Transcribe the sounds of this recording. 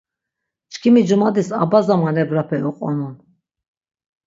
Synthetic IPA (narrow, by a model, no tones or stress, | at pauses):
t͡ʃʰkʰimid͡ʒumad̪isa̰bazamanɛbɾapʰɛʔuqʼɔ̰nun